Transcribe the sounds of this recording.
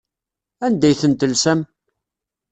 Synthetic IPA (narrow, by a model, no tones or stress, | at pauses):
ænd̪æjθənt̪əlsæm